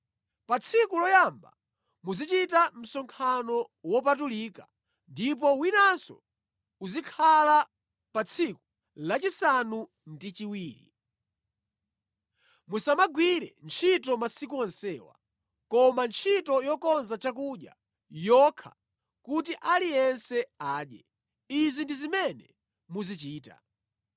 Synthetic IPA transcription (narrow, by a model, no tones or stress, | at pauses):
pat͡sʰikulɔjamba̰ | muzit͡ʃitam̩sɔŋkʰanɔwɔp̬at̬ulika | ndip̬ɔwinansɔ̰ | uzikʰala | pat͡sʰiku | lat͡ʃisanu | ndit͡ʃiwiːɾḭ | musamaɡwiɾɛ̰nt͡ʃʰitɔmasik̬uɔnsɛːwa̰ | kɔmant͡ʃʰitɔjɔkɔnzat͡ʃak̬uɗja̰ | jɔkʰa̰ | kutiʔalijɛnsɛaːɗjɛ | izindizimɛnɛ | muzit͡ʃiːta̰